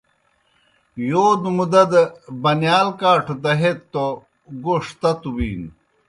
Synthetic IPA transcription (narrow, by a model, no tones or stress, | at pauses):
joːd̪umud̪ɐd̪ɐbɐnjaːlkaːʈʰut̪ɐɦett̪ːo | ɡoʂt̪ɐt̪ubḭːn